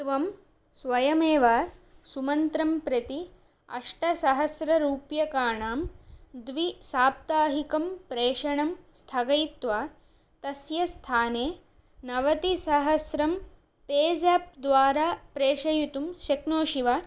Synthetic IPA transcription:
tʋɐm | sʋɐjɐmeːʋaːsumɐnt̪ɾɐmpɾɐt̪i | ɐ̰ʂʈɐsɐɦɐsɾɐɾuːpjɐkaːɳaːmd̪ʋisaːp̚t̪aːɦikɐmpɾeːʂɐɳɐmst̪ʰɐɡɐjt̪ʋaː | t̪ɐsjɐst̪ʰaːneː | nɐʋɐt̪isɐɦɐsɾɐm | peːd͡ʒɐːp̚d̪ʋaːɾaːpɾeːʂɐjut̪umʃeknoːʃiʋaː

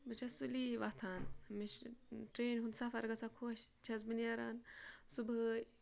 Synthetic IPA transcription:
bɐt͡ʃʰɐsuliʋat̪ʰaːnmiʃʈɾeːnɦund̪safɐɾɡɐsakʰoʃt͡ʃʰɐzminijaɾaːnsub

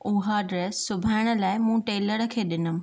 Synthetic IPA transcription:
ʊɦəɖɾeːsːʊbʱaːɪɽ̃ə̆laːɪmũːʈeːləɽkʰeːɗɪnʊmɪ̆

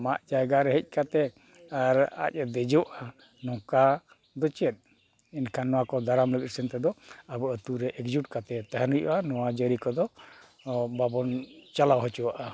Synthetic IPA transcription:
maʔd͡ʒajɡaɾɛɦɛc̚ˀkat̪ɛ | aɾa̰c̚d̪ɛd͡ʒɔwaʔa | nɔ̃ka | d̪ɔt͡ʃɛt̪̚ | inkʰanːɔwakɔd̪aɾamləkɾsənt̪ɛd̪ɔabɔʔət̪uɾɛʔɛkd͡ʒuʈ̚kat̪ɛt̪aɦənujʔṵʔanɔwad͡ʒəɾikɔd̪ɔ | babɔnt͡ʃalawɦɔt͡ʃuwaʔa

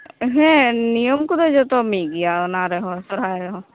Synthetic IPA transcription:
ɦɛ̃nijɔmkud̪ɔd͡ʒɔt̪ɔmiɡijaʊnaɾɛɦɔ̃sɔɾaːɾɛɦɔ̃

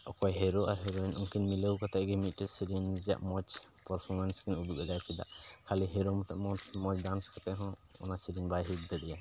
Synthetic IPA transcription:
ʔɔkɔjɦɛɾoʔaɾɦɛɡɔɛnʔuŋkinmiləwkat̪ɛʔɡɛmit̪̚ˀʈɛsiɾind͡ʒa̰ʔmɔt͡ʃpɔɾpʰɔɾmanskɛnub̪ukɛɡajt͡ʃʰɛd̪a̰ʔkʰaliɦɛɾomɔt̪ɛʔmɔt͡ʃmɔt͡ʃdanskat̪ɛʔɦɔ̃ɔ̰nasiɾinbajɦik̚d̪ɛd̪ɛja

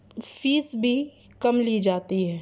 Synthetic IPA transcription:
fiːsbʱikɐmliːd͡ʒaːt̪iɦɛː

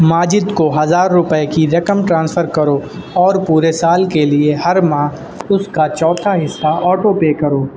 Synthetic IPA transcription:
maːd͡ʒɪd̪koɦɐzaːɾːʊpəekiɾɐkəmʈɾãːnsfʰəɾkɐɾoːɔːɾpuːɾesaːlkelieɦɐɾmãː | ʊskat͡ʃɔːt̪ʰaɦɪsːaʔɔːʈopeːkɐɾoː

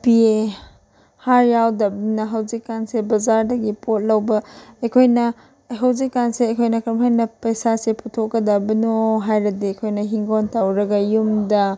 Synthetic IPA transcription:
pie | haɾjawdɐbnɐɦɐwzikːansebɐzaɾdɐɡipot̚lɐwbɐɐjkʰojnɐ | ɦɐwzikːanseɐjkʰojnɐkʰɾɐmɦajnɐpɐjsasepʰutʰokːɐdɐbɐnoɦajɾɐdiɐjkʰojnɐɦiŋɡontawɾɐɡɐjumdɐ

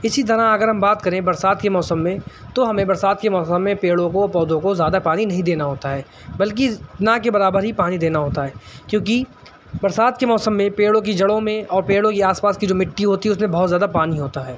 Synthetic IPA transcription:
ɪsit̪̬ɐɾaɐɡəɾɦɐ̃mbaːt̪kɐɾẽbɐɾsaːd̪kemɔːsə̃mːẽ | t̪oɦɐmẽbɐɾsaːd̪kemɔːsəmːẽpeːɽõkopɔːd̪õkozjaːd̪apaːninɐɦĩd̪eːnaɦoːt̪aɦɛː | bɐlk̬inakebɐɾaːbəɾɦipaːnid̪eːnaɦoːt̪aɦɛːkjõːk̬i | bɐɾsaːd̪kemɔːsəmːẽpeːɽõk̬id͡ʒɐɽõmẽɔːɾpeːɽõkiaːspaːskid͡ʒoːmɪʈːiɦoːt̪iɦɛʊsmẽbɐɦɔt̪zjaːd̪apaːniɦoːt̪aɦɛː

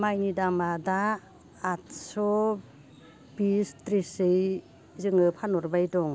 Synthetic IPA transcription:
majnidamadaː | t̚sɔ | bistɾisɯj | zɯŋɯpʰanɔɾbajdɔŋ

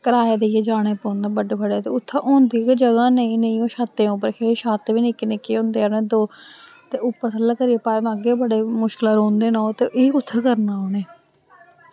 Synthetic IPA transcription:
kəɾaːed̪eːjeːd͡ʒaːɽ̃eːpõːnd̪ãːbəɖeːbəɖeːt̪eːʊt̪ʰːaːʔõːnd̪iːked͡ʒəɡãːneĩːnəĩːõːʃaːt̪ẽːʊp̬ːəɾkʰeɾːʃaːt̪ːʋiːnɪkenekeːõːnd̪eːaːnẽːd̪oː | t̪eːʊpːəɾt̪ʰələkəɾiːeːpaːemãəɡeːbəɽeːmʊʃkɪlaːɾoːnd̪eːnaoːt̪eːʔeʊt̪ʰːaːkəɾnaːoːneː

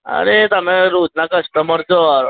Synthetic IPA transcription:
ə̰ɾet̪əmẽɾuːt̪nakəsʈəməɾd͡zoaɾ

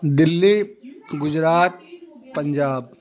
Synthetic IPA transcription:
d̪ɪlːiɡʊd͡ʒɾaːt̪̚pə̃ɲd͡ʒaːb

